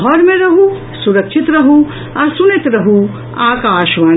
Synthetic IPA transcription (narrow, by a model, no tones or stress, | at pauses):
ɦɔɾmẽɾɐɦũ | suɾəkʃʰɪt̪ɾɐɦũ | ɔːɾsʊnɪt̪ɾɐɦũ | aːkaːʃʋaː